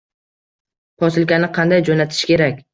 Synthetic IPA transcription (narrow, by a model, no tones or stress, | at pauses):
pʰɒsɪlˠkʲanɪqʰɑnd̪ajd͡ʒonat̪ʰɪ̥ʃkʲe̞ɾakʲ